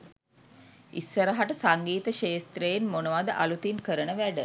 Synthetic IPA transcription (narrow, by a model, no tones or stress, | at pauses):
isːəɾəɦaʈəsaŋɡiːt̪əʃeːst̪ɾəjenmonəʋad̪əʔalut̪inkəɾənəʋæɖə